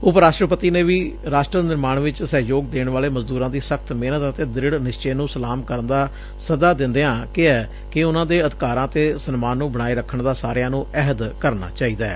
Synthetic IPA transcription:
ʊpɾaːʃʈɾəpət̪iːneːʋiːɾaːʃʈɾənɪɾmaːɳʋɪt͡ʃsəɦjoːɡ̚d̪eːɳʋaːleːməzd̪uːɾãːd̪iːsəkʰt̪meːnət̪ət̪eːd̪ɾɪɽnɪʃt͡ʃeːnũːsəlaːmkəɾənd̪aː | səd̪aːd̪ɪ̃nd̪eãːkɪɛː | kɪʊnãːd̪eːəd̪ɪkaːɾãːt̪eːsənmaːnːũːbəɽ̃aːiːɾəkʰːəɳd̪aːsaːɾjãːnũːɛɦəd̪kəɾna̰ːt͡ʃaːiːd̪aːɛ̰ː

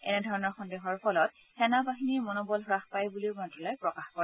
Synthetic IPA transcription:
ɛ̰nɛdʱɔɹɔnɔɹxɔndexɔɹpʰɔlɔt̚ | xɛnabaɦiniɹmɔnɔbɔlɦɹaxpajbuliʊmatɹɔlɔjpɹɔkaxkɔɹɛ

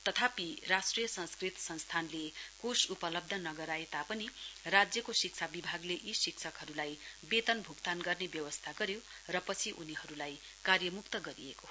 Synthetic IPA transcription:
t̪ʌt̪ʰapirasʈrijʌsʌ̃nskrit̪sʌ̃nst̪ʰanlekosupʌlʌb̚d̪ʱʌnʌɡʌɾaet̪apʌnirad͡zjʌkosik̚t͡sʰabibʱaɡleʔisikt͡sʰʌkɦʌɾulajbet̪ʌnbʱukt̪anɡʌrnebjʌwʌst̪ʰaɡʌɾjo | rʌpʌt͡sʰiʔuniɦʌɾulaj | karjʌmukt̪ʌɡʌɾieko

